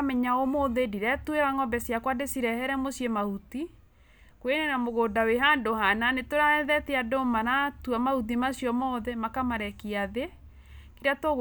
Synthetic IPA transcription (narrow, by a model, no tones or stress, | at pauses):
mɛɲaomoðediɾɛtueɾaŋɔmbɛsjakwadesiɾɛhɛɾɛmosjemahuti | kwenenamoɣodaweɦandohananetoɾaɛðɛteadomanatuamahut̬imasjɔmɔðɛmakamaɾɛkiaðe | kiɾatoɣ